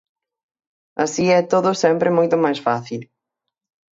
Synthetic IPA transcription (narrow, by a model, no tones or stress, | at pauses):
asiɛt̪oðʊsɛmpɾɪmojt̪ʊmajsfaθil